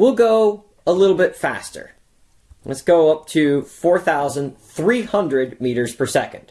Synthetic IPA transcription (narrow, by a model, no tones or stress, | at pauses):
wilˠɡoʊ | əlɪɾl̩ˠbɪtfæ̰stʰə̰˞ | lɛtsɡ̥oʊʌp̚tʰɨfɔɹθaʊzə̃nθɹihʌ̃ndɹɨdmiɾə˞z̥pʰə˞sɛkɨ̃nd̥